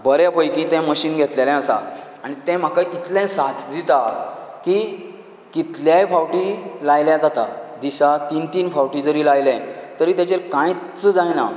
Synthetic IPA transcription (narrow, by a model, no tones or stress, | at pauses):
bəɾɛpəjkĩt̪ɛ̃məɕiːnɡʱet̪lelɛ̃əsa̰aɽ̃it̪ɛ̃m̤akaʔit̪lɛ̃sat͡sd̪it̪aki | kit̪ljajfawʈilajljad͡zat̪ad̪iɕat̪int̪iːnfawʈid͡zəɾiːlajlɛ̃t̪əɾiːt̪jat͡ɕeɾkãjt͡səd͡zajna